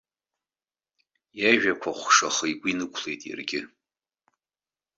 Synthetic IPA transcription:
jaʒᶣakʷʰaχʷʂaχɨjɡʷinɨkʷʰlejtʼja̰rɡʲɪ

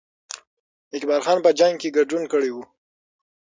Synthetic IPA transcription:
ɪkbɑɾxɑnpəd͡ʒaŋɡ̚keɡaɖunkəɽewu

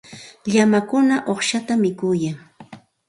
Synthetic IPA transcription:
ʎamakʊnaʔoχʃat̪amɪkʊjaŋ

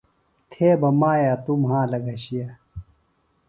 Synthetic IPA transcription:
t̪ʰeːbɐmaːjat̪umɦãːlɐɡɐɕija

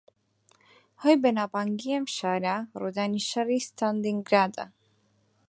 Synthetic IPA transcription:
hojbenapaŋɡiemʃaɾaɾod̪aniʃaɾist̪ʰand̪iŋɡɾad̪a̰

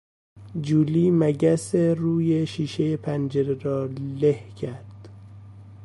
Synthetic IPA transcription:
d͡ʒuːliːmæɟæseɾuːjeʃiːʃejepʰænd͡ʒeɾeɾɒːlehcʰæɾd̪̥

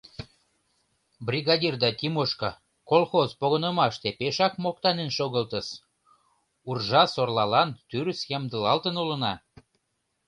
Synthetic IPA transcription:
brʲiɣɑd̪ʲird̪ɑt̪ʲimoʃkɑ | kolxozpoɣənəmɑʃt̪epeʃɑkmok̚t̪ɑnenʃoɣəlt̪əʃ | urʒɑsorlɑlɑnt̪yɾsjɑmd̪əlɑlt̪ənulə̆nɑ

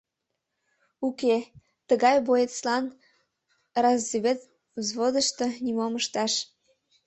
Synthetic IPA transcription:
uke | t̪əɣɑjbojet̪t͡slɑn | rɑzːiβʲet̪ | zβod̪əʃt̪ənimoməʃt̪ɑʃ

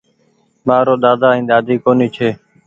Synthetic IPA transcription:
maːɾoːɗ̪aːd̪aːĩːɗ̪aːd̪iːkoːniːt͡ʃʰeː

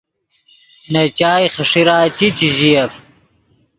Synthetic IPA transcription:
nɐt͡ɕaːjχɐʂiɾaːt͡ɕit͡ɕiʑijɐf

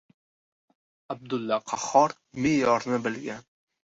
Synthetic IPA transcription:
ab̚d̪ʊlːaqʰɑhɒɾ | mejɒɾnɪbɪlɡʲan

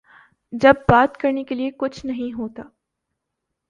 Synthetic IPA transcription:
d͡ʒɐbːaːt̪kɐɾnekeliekʊt͡ʃʰnɐɦĩɦoːt̪aː

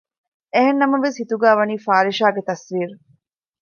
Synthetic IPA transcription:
eɦenːɐmɐʋeshit̪uɡæːʋɐniːfaːɾiʃaːɡet̪ɐsʋiːɾu

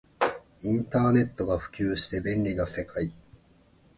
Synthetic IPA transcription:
ĩnt̪aːne̞t̪ːo̞ɡaɸɯ̟̥kʲɨːɕi̥t̪e̞bẽ̞nɾʲinose̞kʰai

